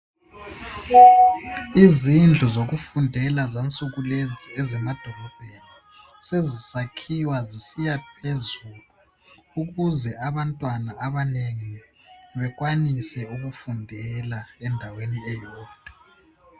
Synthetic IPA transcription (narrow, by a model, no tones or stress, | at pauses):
izind͡ɮʱuzoɣufundʱɛlazant͡sʼuɣuleziɛzɛmad̥ʱɔlɔb̥ʱeni | sezisakʰiwazisijap̚ʰezulu | uɣuzɛaβantʼwanaʔaβaneŋiβɛɣwanisɛuɣufundʱɛlaɛndʱaweniɛjɔːd̥ʱa